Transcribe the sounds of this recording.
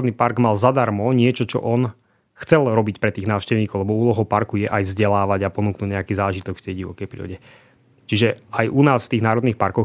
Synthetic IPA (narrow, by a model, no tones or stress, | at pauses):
d̪nipaɾɡmalzad̪aɾmɔɲɪɛt͡ʃɔt͡ʃɔ̰ʔɔn | xt͡sɛlɾɔbicpɾɛt̪iːɣnaːʃcɛʊɲiːkɔʊlɛbɔuːlɔɦɔʊpaɾkujɛʔajvzɟɛlaːʋaɟapɔnuːknuːɟɲɛakiːzaːʒit̪ɔkft̪ɛjɟiʋɔ̰kɛjpɾḭːɾɔ̰ɟɛ | t͡ʃiʒɛajʔunaːsft̪iːɣnaːɾɔd̪niːxpaɾkɔx